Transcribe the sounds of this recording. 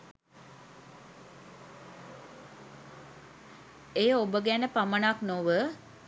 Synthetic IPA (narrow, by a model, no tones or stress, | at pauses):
ejəobəɡænəpamənaknoʋə